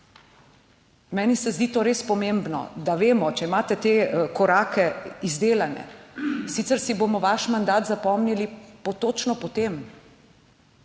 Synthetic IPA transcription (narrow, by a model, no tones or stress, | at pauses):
mɛːnisɛzd̪iːt̪oːɾeːspɔmembnɔ̰d̪aʋeːmɔt͡ʃɛimaːt̪ɛt̪eːkɔɾaːkɛizd̪eːlanɛ̰sit̪sɛɾsiboːmɔʋaʃmand̪aːt̪zapɔmnilipɔt̪ot͡ʃnɔpɔt̪em